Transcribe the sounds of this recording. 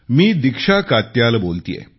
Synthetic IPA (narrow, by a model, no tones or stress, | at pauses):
miːd̪ikʂakat̪jalbolt̪ḭjḛ